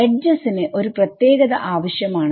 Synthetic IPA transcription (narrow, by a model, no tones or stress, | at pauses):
eɖd͡ʑɐsineʔo̞ɾuprɐt̪jeːɡɐðɐʔaːʋɐɕjɐmaːɳ